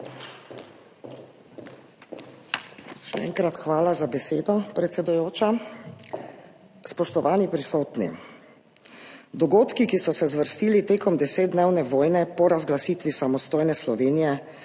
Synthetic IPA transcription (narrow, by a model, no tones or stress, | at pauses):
ʃɛ̰ɛ̰ŋkɾat̪xʋaːlazabɛseːd̪ɔpɾɛt̪sɛd̪ujoːt͡ʃa | spɔʃt̪ɔʋaːnipɾisoːt̪nḭ | d̪ɔɡoːt̪kikisɔsɛzʋəɾst̪iːlit̪eːkɔmd̪ɛseːd̪̚d̪neːwnɛʋoːjnɛpɔɾazɡlasiːt̪ʋisamɔst̪oːjnɛslɔʋeːnijɛ